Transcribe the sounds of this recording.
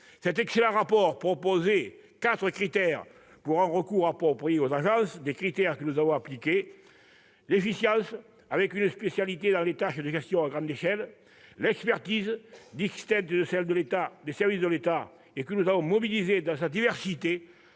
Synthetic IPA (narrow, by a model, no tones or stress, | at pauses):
sɛt̪ɛkselɑ̃ʁapɔʁpχopoze | kat̪χəkχit̪ɛʁ | puʁɛ̃ʁəkuʁapʁɔpʁeozaʒɑ̃sd̪ekχit̪ɛʁkənuzavɔ̃aplike | lefisjɑ̃s | avɛkynəspesjalit̪ed̪ɑ̃let̪aʃəd̪əʒɛst̪jɔ̃aɡʁɑ̃nd̪eʃɛl | lɛkspɛʁt̪izd̪ɛkst̪ɛ̃nt̪əd̪əsɛld̪əlet̪ad̪esɛʁvis̬d̪əlet̪a | ekənuzavɔ̃mɔbilized̪ɑ̃sad̪ivɛʁsit̪e